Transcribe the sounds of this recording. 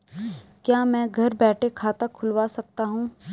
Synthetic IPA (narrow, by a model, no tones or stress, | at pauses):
kjaːmɛ̃ːɡʱɐɾbɛːʈʰekʰaːt̪akʰʊlʋaːsɐk̚t̪aɦũː